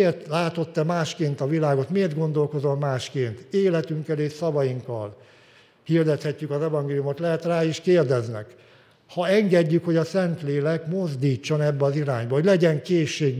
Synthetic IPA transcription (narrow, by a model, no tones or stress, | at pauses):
rt̪laːt̪o̞t̪ːɛmaːʃkeːnt̪ɒvilaːɡo̞t̪meːrd̪ɡo̞nd̪o̞lkozommaːʃkeːnt̪eːlɛt̪yŋkːɛleːʃsɒvɒjiŋkːɒl | hird̪ɛt̪hɛcːykɒzɛvɒŋɡeːlijumo̞t̪lɛɦɛt̪raːiʃkeːrd̪ɛznɛ̰k | hɒɛŋɡɛɟːykho̞ɟɒsɛnt̪leːlɛkmo̞zd̪iːt͡ʃːo̞nɛbːɛɒziɾaːɲbɒɦo̞ɟlɛɟɛŋkeːʃːeːɡ